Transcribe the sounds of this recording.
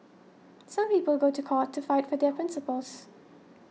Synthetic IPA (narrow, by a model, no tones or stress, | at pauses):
sãmpiːpəlɡoːtʰukʰɔˑtʰːufaɪtfɔd̪ɛpʰɹ̥ɪ̃nsəpəls